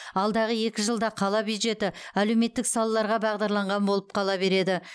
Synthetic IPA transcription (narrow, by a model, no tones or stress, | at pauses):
ɑlˠd̪ɑʁəje̞kʲɪʒəlˠd̪ɑqʰɑlˠɑbjud̪ʒe̞t̪ɪæle̞wme̞t̪ːɪksɑlˠɑlˠɑɾʁɑbɑʁd̪ɑɾlˠɑɴʁɑnbo̞lˠəp̚qʰɑlˠɑbe̞ɾe̞d̪ɪ